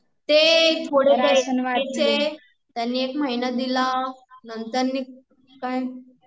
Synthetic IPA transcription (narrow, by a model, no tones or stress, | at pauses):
t̪et̪ʰoɽet̪eʋat͡se | t̪janːiːekmaɦinəd̪ilanənt̪əɾniː | kaj